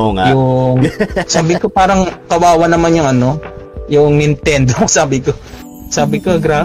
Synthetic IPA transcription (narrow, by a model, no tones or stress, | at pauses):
oŋajʊŋsaːbɪkopaːɾɐŋkɐwaːwɐnɐmanjʊŋɐno̞jʊŋɪnt̪ɛnd̪osaːbɪko | saːbɪkoɐɡɾaː